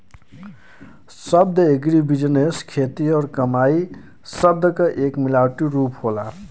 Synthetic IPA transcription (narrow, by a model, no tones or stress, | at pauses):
səb̚d̪ʱəeɡɾibid͡ʒəneskʰet̪iɔɾkəmai | səb̚d̪ʱəkəʔekmilaʈiɾupɦola̰